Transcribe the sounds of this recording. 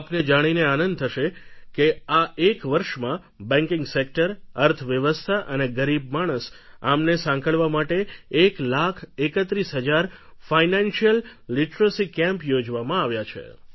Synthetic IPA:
apned͡ʒaɽ̃ineanən̚t̪ʰəʃekeaʔekʋəɾʃmã | bɛ̃ŋkɪ̃ŋɡsek̚ʈəɾəɾt̪ʰʋjəʋəst̪ʰaʔəneɡəɾib̚maɽ̃əsa̰mnesãŋkʰəɭʋamaʈeeklakʰekət̪ɾisɦəd͡ʒaɾfainãnʃijəlːiʈɾəsikɛ̃mpjod͡ʒʋamãaʋjat͡ʃʰḛ

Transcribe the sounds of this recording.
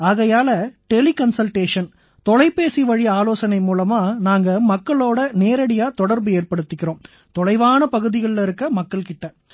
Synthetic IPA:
aːɣɐjaːlɐʈɛlikɐnsɐlʈeːʂɐn | t̪ɔlɐɪpːeːsiʋɐɻiaːloːsɐnɐɪmuːlɐmaːnaːŋɡɐmɐkːɐɭoːɽɐneːɾɐɽɪjaːt̪ɔɽɐɾbɯeːrpɐɽɯt̪ːɪkːɪɾõːm | t̪ɔlɐɪʋaːnɐpɐɣɯðɪɣɐɭɪlɪɾɯkːɐmɐkːɐɭkɪʈːɐ

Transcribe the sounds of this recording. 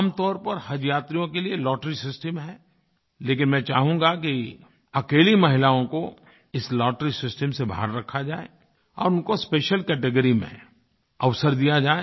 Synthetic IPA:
mt̪ɔːɾpɐɾhɐd͡ʒjaːt̪ɾijõkelielɔːʈɾisɪsʈəmɦɛː | leːk̬ɪnmɛ̃ːt͡ʃaːɦũŋɡak̬i | ɐkeːlimɐɦɪlaːõko | ɪslɔːʈɾisɪsʈəmsebʱa̰ːɦɾːɐkʰːad͡ʒaːḛ | ɔ̰ːɾʊnkospeːʃəlkɛːʈeɡəɾimḛ̃ | ɐʋsəɾd̪ijad͡ʒaːe

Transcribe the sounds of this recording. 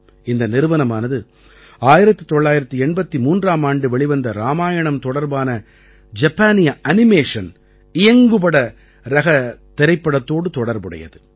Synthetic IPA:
ɪnd̪ɐnɪɾɯʋɐnɐmaːnɐðɯ | aːjɪɾɐt̪ːɯt̪ːɔɭːaːjɪɾɐt̪ːɯɛɳbɐt̪ːimuːndraːmaːɳɖɯʋɛɭɪʋɐnd̪ɐɾaːmaːjɐɳɐmt̪ɔɽɐɾbaːnɐ | d͡ʒɐpːaːnɪjɐʔɐnɪmeːʂɐn | ɪjɐŋɡɯpɐɽɐ | ɾɐɣɐt̪ːɛɾɐɪpːɐɽɐt̪ːoːɽɯt̪ɔɽɐɾbɯɽɐ̰jɐ̰ðɯ

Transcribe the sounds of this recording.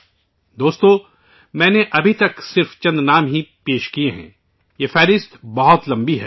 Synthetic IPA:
d̪oːst̪õ | mɛ̃ːneʔɐbʱit̪ɐksɪɾft͡ʃɐ̃nd̪naːmɦipeːʃkieɦɛ̰̃ː | jeːfɛːɾɪst̪bɐɦʊt̪lɐ̃mbiɦɛː

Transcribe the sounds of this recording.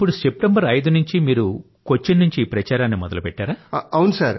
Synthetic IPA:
ipːuɽusep̚ʈɐmbɐɾɐjd̪unuɲt͡ʃimiːɾu | kot͡ʃːinːuɲt͡ʃiːpɾɐt͡ʃaːɾaːnːimɔ̰d̪ɐ̰lupɛʈːaːɾaːɐwnusaːɾ

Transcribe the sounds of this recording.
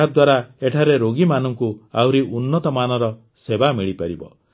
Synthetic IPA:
ad̪waɾaeʈʰaɾeɾoɡimanɔŋkua̰wɾiʔunːɔt̪ɔmanɔɾɔ | sebamiɭipaɾibɔ̰

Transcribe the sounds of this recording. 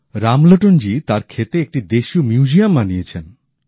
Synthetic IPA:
ɾamloʈond͡ʑit̪aɾkʰet̪eek̚ʈid̪eʃiumjud͡ʑiamːaniet͡ɕʰen

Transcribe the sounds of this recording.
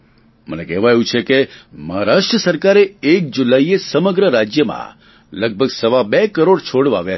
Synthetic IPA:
mə̰nekɛʋajũt͡ʃʰekeməɦaɾaʃʈɾəsəɾkaɾeek̚d͡ʒulaiesəməɡɾəɾad͡ʒjəmã̰ | ləɡ̚bʱəɡsəʋabekəɾoɽt͡ʃʰoɽʋa̰ʋja

